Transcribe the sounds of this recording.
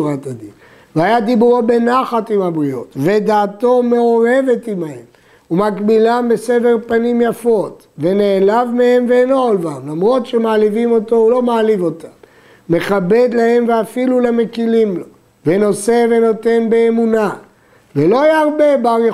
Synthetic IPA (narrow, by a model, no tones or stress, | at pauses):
ʁat̪ad̪in | veajad̪ibuʁobe̞naχat̪imhabʁio̞̰t̪ve̞d̪aːt̪o̞me̞o̞ʁe̞ve̞t̪imaem | umakbilambe̞se̞veʁpanimjafo̞t̪ | ve̞neːlavmehemveeno̞olvamlamʁo̞t̪ʃe̞maːlivimo̞t̪o̞ulo̞maːlivo̞t̪ʰamː | e̞χabe̞d̪lahe̞mveafiluleme̞kilimlo̞ | veno̞se̞ve̞no̞te̞nbeːmuna | velo̞ajaaʁbe̞baʁje